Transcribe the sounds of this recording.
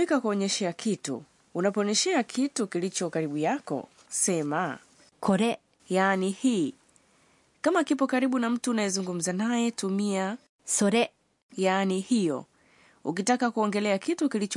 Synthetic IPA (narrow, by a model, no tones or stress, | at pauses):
ikakuɔɲɛʃɛakʰitṵː | napɔɔɲɛʃɛakʰitukilit͡ʃɔkaɾiɓujakɔ̰ | sɛma | kʰɔɾɛ | jaːnihiː | kamakipɔkaɾiɓunam̩tuːnajɛzuŋɡum̩zanajɛtumia | sɔɾɛ | jaːnihijɔ̰ | uk̬itakakuɔŋɡɛlɛakitukilit͡ʃ